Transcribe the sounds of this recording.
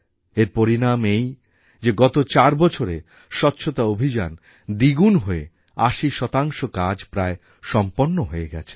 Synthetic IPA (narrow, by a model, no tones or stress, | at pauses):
eɾpoɾinamej | d͡ʑeɡɔt̪ot͡ɕaɾbɔt͡ɕʰoɾe | ʃɔtːɕʰot̪aobʱid͡ʑan | d̪iɡunɦoe | aʃiʃɔt̪aŋʃokad͡ʑpɾae | ʃɔmponːoɦoeɡɛ̰t͡ɕʰe̥